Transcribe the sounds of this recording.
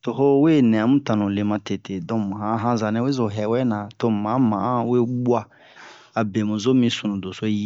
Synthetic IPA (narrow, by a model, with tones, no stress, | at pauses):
to˨ho˦we˦˨nɛ̃˨ã˨mũ˦tã˨nũ˨le˨mã˧te˨tʰe˨dɔ̃˨ɦã˨˦ɦã˦za˨nɛ̃˦we˦zo˨ɦɛ˨˦wɛ˦nã˨to˦mã˨˦mã˨˦we˦ɡ͡bwa˦ | a˨be˨mũ˨zo˦mĩ˧sũ˨nũ˨do˨so˦ji˦